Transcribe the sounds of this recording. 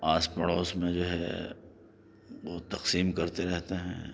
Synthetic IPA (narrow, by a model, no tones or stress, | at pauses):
aːspɐɽoːsmẽd͡ʒoːɦɛ̰ | ʋot̪ɐqsiːmkɐɾt̪eɾɛɦt̪eɦɛ̰̃ː